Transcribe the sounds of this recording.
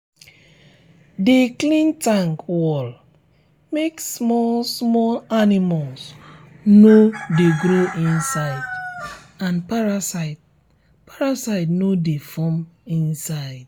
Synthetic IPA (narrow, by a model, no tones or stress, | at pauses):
deklĩntãŋkwɔl | meksmɔsmɔlanimals | nodeɡɾoʔĩnsaɪd | ãnpaɹasaɪt | paɹasaɪdnodefɔ̃mĩnsaɪd̥